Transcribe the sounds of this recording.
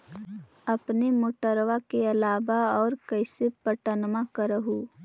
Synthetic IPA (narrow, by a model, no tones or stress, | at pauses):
ɐpnemoːʈəɾʋakeɐlaːbaɔːɾkɐɪsepəʈənmãkɐɾəɦu